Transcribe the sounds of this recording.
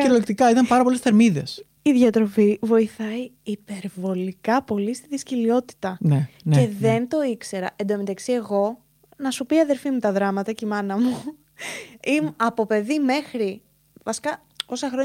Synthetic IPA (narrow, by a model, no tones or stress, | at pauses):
eɾolek̚t̪ikɐit̪ɐmpɐɾɐpolesθe̞ɾmiðe̞̰s | iðʝɐt̪ɾo̞fivo̞iθɐiː | pe̞ɾvo̞likɐpo̞list̪iðiscilio̞t̪i̥t̪ɐnene̞ðe̞nt̪o̞ikse̞ɾɐ̰ʔend̪omit̪ɐksie̞ɣo̞ | nɐsupiɐðe̞ɾfimut̪ɐðɾɐmɐt̪ɐcimɐnɐmu | imɐpo̞pe̞ðime̞xɾi | vɐsi̥kɐ | o̞sɐxɾo